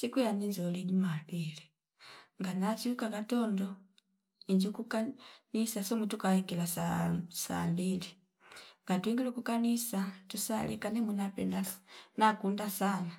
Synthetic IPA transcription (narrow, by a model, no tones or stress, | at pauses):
sikijanind͡ʒɔliɟumabili | ŋɡanat͡ʃiukakatɔndɔ | iɲd͡ʒukukanisasɔmutukahikilasasa̰mbili | ŋɡatuwiŋɡilukukanisatusa̰lḭkanɛmunapɛndanakundasana